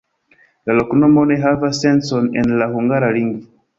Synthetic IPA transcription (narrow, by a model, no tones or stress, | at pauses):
lalɔknɔmoneɦavasɛ̃nsɔ̃nɛ̰̃nlahuŋɡaɾaliŋɡi